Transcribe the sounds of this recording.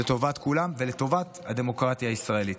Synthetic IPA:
et̪o̞vat̪kulamveleto̞vat̪had̪e̞mo̞kʁat̪jaːisʁae̞lit

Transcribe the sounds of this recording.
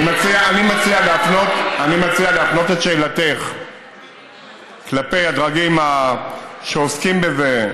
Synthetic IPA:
mat͡siaanimat͡sialeafno̞tanimat͡sialeafno̞teʃejlateχ | klape̞jadʁaɡima | ʃeoskimbe̞ze

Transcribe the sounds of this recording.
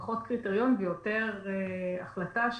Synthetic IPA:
χotkʁiteʁijonbejoteʁeaχlataʃ

